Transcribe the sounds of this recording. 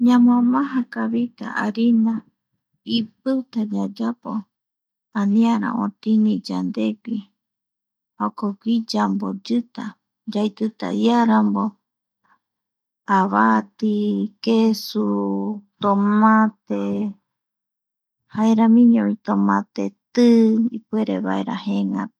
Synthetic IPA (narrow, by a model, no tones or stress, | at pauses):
ɲãmãmãɦãkaβit̪a̰ʔaɾina | ip̚ɨt̪ad͡ʒad͡ʒapo | anĩaɾã̰ʔõt̪inĩd͡ʒand̪eki | hokokid͡ʒambod͡ʒɨt̪a | d͡ʒajt̪ɨt̪a̰jaɾambo | aβat̪ikesut̪omãt̪e | haeɾamĩɲõβit̪omãt̪et̪ɨipueɾeβa̰eɾa̰heŋã